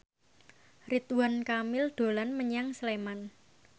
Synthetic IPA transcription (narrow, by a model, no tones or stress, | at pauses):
rit̪uwankamɪld̪̥o̤lanməɲaŋsleman